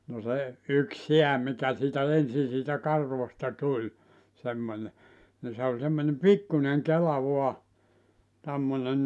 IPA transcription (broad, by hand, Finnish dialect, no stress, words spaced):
no se yk seæ mikæ siːtæ ensi siːtæ kɑrʋostɑ tulʲ semːonʲe ni se olʲ semːonʲem pikːuneŋ kelɑ ʋuɑ tæmːone